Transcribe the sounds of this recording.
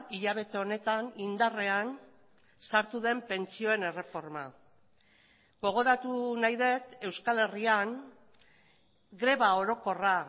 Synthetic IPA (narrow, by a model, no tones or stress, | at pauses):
iʎaβ̞e̞t̪e̞o̞ne̞t̪anind̪are̞an | saɾt̪uðe̞mpe̞nt͡sio̞e̞ne̞re̞fo̞ɾma | ɡo̞ɣ̞o̞ɾat̪unajðe̞t̪e̞wskale̞riaŋ | ɡɾe̞βao̞ɾo̞ko̞ra